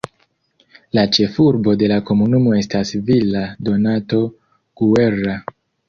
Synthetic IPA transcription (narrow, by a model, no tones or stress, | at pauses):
lat͡ʃe̞fuɾbo̞de̞lako̞munumo̞e̞stasvilado̞nato̞ | ɡ̥ue̞ɾa